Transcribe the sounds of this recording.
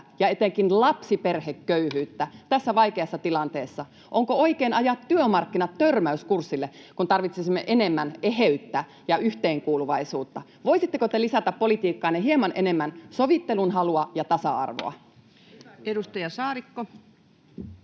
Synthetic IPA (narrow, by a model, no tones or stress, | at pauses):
jɑet̪eŋkinlɑpsiperhekːøyhyːt̪ːæt̪æsːæʋɑikeɑsːɑt̪ilɑnt̪eːsːɑ | ʔoŋkooikeːnɑjɑt̪tyømɑrkːinɑt̪tørmæyskursːilːekunt̪ɑrʋit̪sesimːeʔenemːæneheyt̪ːæ | jɑyht̪eːŋkuːluʋɑisuːt̪ːɑʋoisit̪ːekot̪elisæt̪æppolit̪iːkːɑːneɦiemɑnʔenemːænsoʋit̪ːelunɦɑluɑjɑt̪ɑsɑ̰ɑ̰rʋo̰ɑ̰ | edust̪ɑjɑsɑːɾikːo